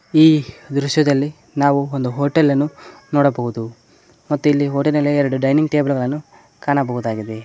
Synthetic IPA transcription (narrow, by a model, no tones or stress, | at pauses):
iːd̪ɾuʂjɐd̪ɐlːi | naːʋuond̪uɦoːʈelːɐnːunɔːɽɐbɐɣud̪u | mɐt̪ːuilːiɦoːʈinɐlːeɛɾɐɽuɖɐjniŋɡʈeːbɐlɡɐɭɐnːu | kaːnɐbɐɣud̪aːɡid̪e